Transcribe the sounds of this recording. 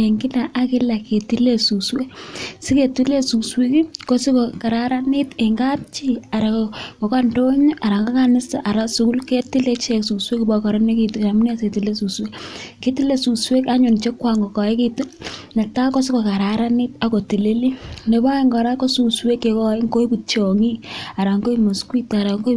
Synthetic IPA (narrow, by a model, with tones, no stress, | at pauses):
e˨ŋɡɪ˦la˨ʔa˦kɪ˦la˨ke˨ti˦le˦su˨swe˦si˦ke˨ti˦le˦su˨swi˦ki˦ko˦si˦ko˨ka˨ɾa˦ɾa˦nɪ˦te˨ŋɡa˦t̚t͡ʃi˦a˨ɾa˨kkɔ˨ka˦ndo˦ɲo˦ʔa˨ɾa˨ŋɡa˦ka˦nɪ˦sta˨ʔa˨ɾa˦su˨kʊ˦lke˦ti˦le˦t͡ʃe˨ksu˨swe˦ki˨bakɔ˨ɾɔ˦ne˦ki˨tu˨a˨mʊ˦ne˦˨se˨ti˨le˦su˨swe˦ke˦ti˦le˦˨su˨kswe˦ka˦ɲʊ˨nt͡ʃe˦kwa˨ŋɡo˨kɔ˨ɪ˦ke˦tu˦na˨ta˦ko˦sɪ˦ko˨ka˨ɾa˨ɾa˦ni˦ta˨ko˨ti˨le˦li˦ne˨ba˦i˦ŋɡɔ˨ɾa˦ko˦su˨kswe˦kːe˨kɔ˦i˦ŋko˦i˦pu˨t͡ʃɔ˨ŋi˦a˨ɾa˨ŋɡo˦i˦mo˨skwi˦ta˨ɾa˨ŋɡo˦